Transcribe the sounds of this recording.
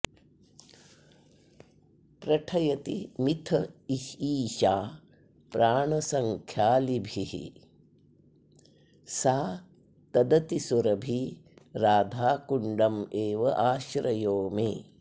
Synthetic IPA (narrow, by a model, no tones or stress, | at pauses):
pɾɐʈʰɐjɐt̪imit̪ʰɐiʃiːʃaː | pɾaːɳɐsɐŋkʰjaːlibʱihḭ | saː | t̪ɐd̪ɐt̪isuɾɐbʱiɾaːd̪ʱaːkuɳɖɐmeːʋɐʔaːʃɾɐjoːmeː